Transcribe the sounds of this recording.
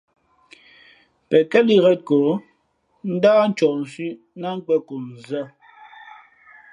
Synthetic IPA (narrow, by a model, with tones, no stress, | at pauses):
pɛ˨kɛ˦li˦ɣɛ˦t̚ko˨˦ | n̩˦daː˦n̩˦t͡ʃɔ˨ʔn̩˨si˦ | na˦ŋ̩˦k͡pɛ˦ko˨n̩˨zə˦˨